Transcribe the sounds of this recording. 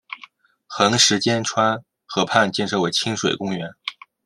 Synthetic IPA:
xɤ˧˥ŋʂɻ̩˧˥t͡ɕjɛ˥nʈ͡ʂʰwa˥n | xɤ˧˥pʰa˥˧nt͡ɕjɛ˥˧nʂɤ˥˩ʊwe˧˥ɪt͡ɕʰi˥ŋʂwe˨˩ɪkʊ˥ŋɥɛ˧˥n

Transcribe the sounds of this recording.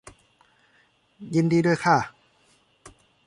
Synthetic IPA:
ji˧ndiː˧du˥˩əjkʰa˥˩

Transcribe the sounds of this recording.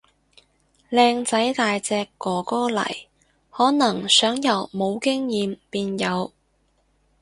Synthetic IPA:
lɛː˧ŋt͡sɐ˨˥jt̪aː˨jt͡sɛː˧kːɔː˨˩kɔː˥lɐ̰˨˩j | hɔː˨˥nɐ˨˩ŋsœː˨˥ŋjɐ˨˩wmo˨˧wkɪ˥ŋjiː˨mpiː˧njɐ˨˧w

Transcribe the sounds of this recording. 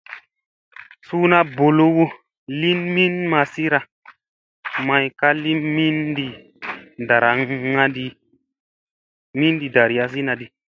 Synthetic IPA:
su˦na˦bo˨lo˦wo˦ | li˦nmi˦nma˧si˦ɾa˧ | ma˧jka˦li˦mi˦ndi˨ | da˨ɾa˨˦ŋa˦di˦ | mi˦ndi˨da˨ɾi˨ja˦s̬i˦na˨di˨

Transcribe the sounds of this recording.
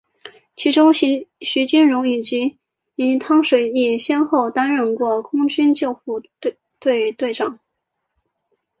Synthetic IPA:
t͡ɕʰi˧˥ʈ͡ʂʊ˥ŋɕɕy˧˥t͡ɕi˥nɻʊ˧˥ŋi˨˩t͡ɕi˧˥ | i˧˥nt̪ʰɑ˥ŋʂwe˨˩ɪi˥˩ɕjɛ˥nxo˥˩ʊt̪a˥nɻə˥˧nkwɔ˥˩kʰʊ˥ŋt͡ɕi˥nt͡ɕjɑ˥˧ʊxu˥˩ | t̪we˥˧ɪt̪we˥˧ɪʈ͡ʂɑ˨˩˦ŋ

